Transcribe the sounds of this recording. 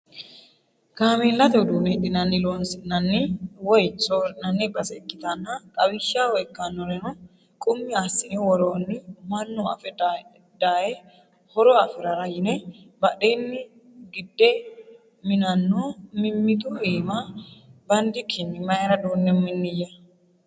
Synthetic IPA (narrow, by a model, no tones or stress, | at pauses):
ɡaːmilːɐt̪ɛʊd̪uːmeᶑɪnɐnːɪloːnsɪnɐnːɪwɔjt͡sːoɾnɐnːɪbɐsɛkʼːɪt̪ɐnːɐkʼɐbɪʃːaːwɔjkːɐnːɔɾɛnɔ | kʼʊmːɪasːɪnɛwɔɾoːnːɪmɐnːʊɐ̰fɛ | d̪aːjɛ | hɔɾɔɐfɪɾɐɾɐjɪnɛ | bɐᶑeːnːɪ | ɡɪd̪ːɛ | mɪnɐnːoːmɪmːɪt̪uiːmabɐnd̪ɪkʰːɪnːɪmɐjɛɾɐd̪oːnːɛmːɪnːɪjɐ